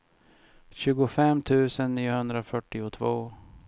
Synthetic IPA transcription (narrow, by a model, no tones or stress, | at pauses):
ɕʉ̟ːɡʊfɛmːt̪ʰʉ̟ːsənːiːʊhɵnd̪ɾafœʈːɪʊt̪ʰvoː